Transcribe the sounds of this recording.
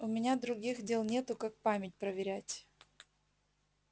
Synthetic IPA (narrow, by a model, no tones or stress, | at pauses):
ʊmʲɪnʲad̪ɾʊɡʲixdʲelˠnʲe̞t̪ʊkak̚pamʲɪt̚ʲpɾəvʲɪɾʲætʲ